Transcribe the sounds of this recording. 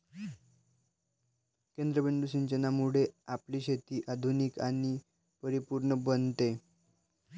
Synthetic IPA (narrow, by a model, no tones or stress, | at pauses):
kend̪ɾəbeɳd̪uɕiɲt͡ɕənamuɽeapliːɕet̪iːʔad̪ʱunika̰ñi | pəɾipuɾɳəbənt̪e